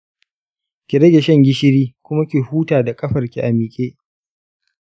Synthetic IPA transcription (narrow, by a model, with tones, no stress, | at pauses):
kʲi˨ɾɐ˦ɡʲe˨ʃɛ˦ŋɡʲɪ˦ʃɪ˦ɾiː˦kʷʊ˦ma˦kʲi˨huː˦taː˨da˨kʼɐ˦ɸɐ˨rkʲi˨ʔa˨miː˨kʲʼeː˦ʔ